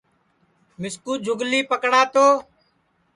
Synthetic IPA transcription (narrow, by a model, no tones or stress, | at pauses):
mɪskuːd͡ʒʱʊɡliːpəkɽaːt̪oː